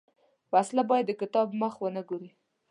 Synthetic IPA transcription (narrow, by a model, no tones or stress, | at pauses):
waslabɑjad̪ːəkɪt̪ɑbməxwənəɡoɾi